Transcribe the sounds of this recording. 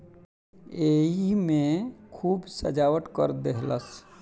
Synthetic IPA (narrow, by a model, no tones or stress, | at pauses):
eɦimekʰuːbsə̰d͡ʒawəʈ̪kə̰ɾd̪eɦləs